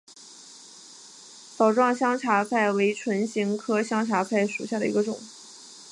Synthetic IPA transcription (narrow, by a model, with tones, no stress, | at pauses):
sɑ˨˩ʊʈ͡ʂwɑ˥˩ŋɕjɑ˥ŋʈ͡ʂʰa˧˥pʰa˥˩ɪwe˧˥ɪʈ͡ʂʰwə˧˥nɕi˧˥ŋkʰɤ˥ɕjɑ˥ŋʈ͡ʂʰa˧˥pʰa˥˩ɪʂu˨˩ɕja˥˩d̪ə˩ḭ˧˥ɡə˧ʈ͡ʂʊ̰˨˩˦ŋ